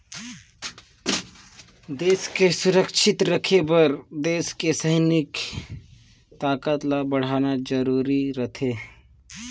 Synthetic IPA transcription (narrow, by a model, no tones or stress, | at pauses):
d̪eːskesʊɾəkʃɪt̪ɾəkʰebəɾd̪eːskesəɦnɪk | t̪aːkət̪labɐɽ̤aːnad͡ʒəɾuːɾiɾət̪ʰeː